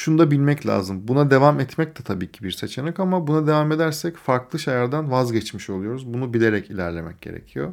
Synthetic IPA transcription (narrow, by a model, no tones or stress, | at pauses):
ʃunud̪abilʲmɛclʲa̰ːzɯmbunad̪e̞vamɛt̪mɛc̚t̪ʰɛ̥t̪ʰabiːcʰibiɾset͡ʃʰe̞nɛkamabunad̪e̞vame̞d̪æɾsɛcfaɾklˠɯʃajaɾd̪anvazɟɛt͡ʃmiʃo̞lˠujo̞ɾuzbunubilʲe̞ɾɛcʰilʲæɾlʲe̞mɛ̰c̚ɟ̥e̞̰ɾḛcʰijo̞̰